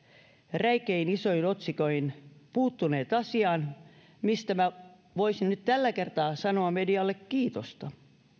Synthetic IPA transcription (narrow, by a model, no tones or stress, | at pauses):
ræikeinisoinot̪sikoihinpuːt̪ːuneːt̪ɑsiɑːn | mist̪æmæ | ʋoisinnyt̪t̪ælːækert̪ɑːsɑnoɑmediɑlːekkiːt̪ost̪ɑ